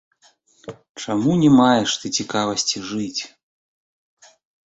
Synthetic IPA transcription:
t͡ʂamunʲɛmajɛʂt̪ɨt͡sʲikavɐsʲt͡sʲiʐɨt͡sʲ

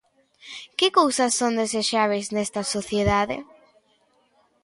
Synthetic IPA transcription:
kɪkowsɐsːõnd̪eseʃaβ̞ejznɛst̪ɐsoθjeðaðɪ̰

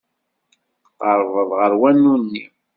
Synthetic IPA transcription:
qːəɾˤvəðˤʁəɾwænːunːi

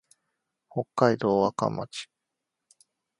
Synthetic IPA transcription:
ho̞kːaid̪o̞ːaka̰mːa̰t͡ɕi̥

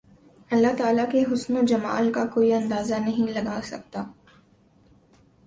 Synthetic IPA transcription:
ɐlːaɦt̪aːlakeɦʊsnod͡ʒɐma̰ːlkakoːiɐ̃nd̪aːzanɐɦĩlɐɡaːsɐ̰k̚t̪aː

